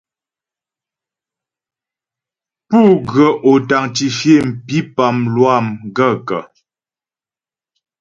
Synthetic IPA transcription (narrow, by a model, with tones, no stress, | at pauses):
pu˦˨ɡɰə˨ʔo˨ta˨ŋt͡ʃi˨ʃe˦˨m̩˨pi˦pa˨mlwa˦˨mɡə˦˨kə˨